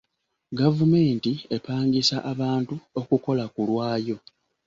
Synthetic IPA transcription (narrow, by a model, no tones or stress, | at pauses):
ɡavume̞ːntie̞paːŋɡisaʔaβaːntuo̞kuko̞lakulwaːjo̞